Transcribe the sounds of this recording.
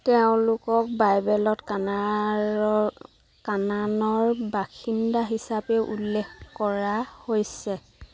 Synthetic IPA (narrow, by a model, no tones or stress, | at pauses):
tɛʊ̃lʊkɔk̚bajbɛlɔtkaa | kananɔɹbaxindaɦisapɛʔṵlːɛxkɔɹahojsɛ